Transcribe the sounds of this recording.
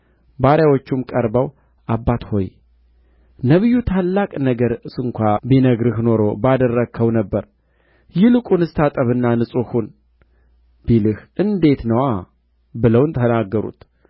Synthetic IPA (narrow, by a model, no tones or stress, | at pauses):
baɾjawot͡ʃːumkʼəɾbəw | ʔabːat̪ho̞̰j | nəβijːut̪ʰalːakʼnəɡəɾɨsɨŋkʷabinəɡɾɨhno̞ɾo̞bad̪ərːəkʰːəwnəbːəɾ | jɪlɨkʼunɨst̪ʰat̪ʼəβɨnːanɨsʼohun | bilɨhʔɨnd̪e̞t̪nəwa | bɨləwnt̪ʰənaɡːəɾṵt̪